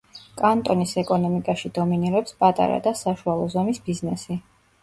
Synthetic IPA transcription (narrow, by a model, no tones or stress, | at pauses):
kʼant̪ʼɔnisɛkʼɔnɔmikʼaʃid̪̥ɔminiɾɛpspʼat̪ʼa̰ɾa̰d̪asaʃualˠɔzɔmisbiznɛsi